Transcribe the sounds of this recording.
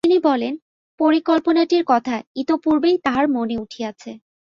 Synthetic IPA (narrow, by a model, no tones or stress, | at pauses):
inibɔlen | poɾikolponaʈiɾkɔt̪ʰait̪opuɾbejt̪aɦaɾmoneuʈʰijat͡ɕʰe